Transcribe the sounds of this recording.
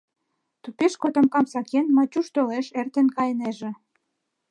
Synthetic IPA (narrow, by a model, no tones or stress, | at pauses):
t̪upeʃkot̪ŏmkɑmsɑkenmɑt͡ɕuʃt̪oleʃert̪enkɑjneʒĕ